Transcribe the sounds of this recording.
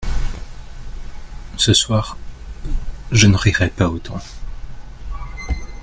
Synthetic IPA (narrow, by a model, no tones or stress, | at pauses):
səswaːʁ | ʒənəʁiʁɛpaot̪ʰɑ̃